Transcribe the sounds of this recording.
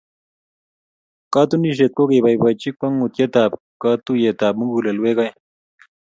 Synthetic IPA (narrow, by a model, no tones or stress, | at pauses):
kaːt̪uniɕ̬et̪̚kokebajbat͡ɕik̚pɐŋut̪jet̪aːp̚ | kaːt̪ujet̪aːb̚muŋɡulɐlwekaj